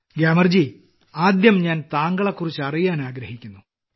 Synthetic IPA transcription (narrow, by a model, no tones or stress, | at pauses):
ɡjaːmɐrd͡ʑi | aːd̪jɐmɲaːnt̪aːŋɡɐɭɐkːurit͡ɕːɨɐrijaːnaːɡɾɐhikʲːunːu